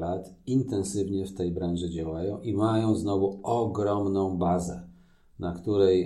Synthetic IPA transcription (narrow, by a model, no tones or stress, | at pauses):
lat̪int̪ɛnsɘvɲɛft̪ɛjbɾanʐɛd͡ʑawajɔ̃w̃ʔimajɔ̃w̃znɔvuɔɡɾɔmnɔ̃w̃bazɛ | nakt̪uɾɛj